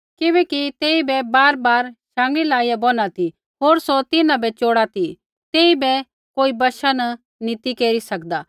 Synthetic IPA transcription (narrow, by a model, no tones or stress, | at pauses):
kɪβɛːkit̪eːibɛbaːɾbaːɾʃãːŋɡɭilaːijabɔnat̪ʰi | ɦoːɾsɔt̪ɪnãbɛt͡ʃoːɽat̪ʰi | t̪eːibɛ | koːibɐʃanɐ | nit̪ikeːɾisɐkd̪a